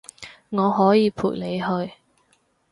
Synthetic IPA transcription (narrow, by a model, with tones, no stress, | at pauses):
ŋɔː˨˧ɦɔː˨˥jiː˨˧pʰṵː˨˩le˨˧jɦɵ˧ɥ